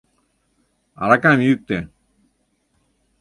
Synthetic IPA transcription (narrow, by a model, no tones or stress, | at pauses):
a̰ɾakamijuk̚t̪e